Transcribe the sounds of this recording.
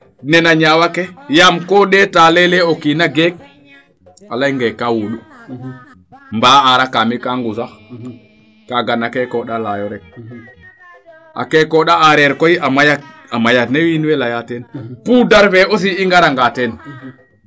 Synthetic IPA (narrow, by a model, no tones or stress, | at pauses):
nɛnaɲawakɛjamkɔɗɛtalɛlɛokinaɡɛk̚ | alajŋɡɛkːawuɗu | mbaːaɾakamikaŋɡusa | kaɡanakɛkɔɗalajɔɾɛ | ʔa̰kɛkɔɗaaɾɛɾkɔjiamajakamajanewinwɛlajatɛnpudaɾfɛos̬iiŋɡaɾaŋɡatɛn